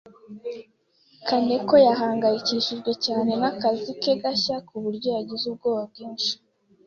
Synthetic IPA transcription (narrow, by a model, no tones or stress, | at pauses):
kʰane̞ko̞jaɦaːŋɡajiciʃiɾɡwe̞caːne̞nakazike̞ɡaçakuβuɾɟo̞jaɟizub̚ɡoːβab̚ɡiːnʃi̥